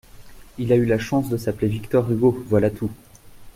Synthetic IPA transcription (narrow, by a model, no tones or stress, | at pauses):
ilaylaʃɑ̃sd̪əsaplevikt̪ɔʁyɡovwalat̪ʰu